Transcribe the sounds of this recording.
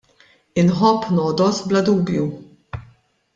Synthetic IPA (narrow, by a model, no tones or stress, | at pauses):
ɪnħɔpːnɔːd̪ɔsblɐd̪uːbju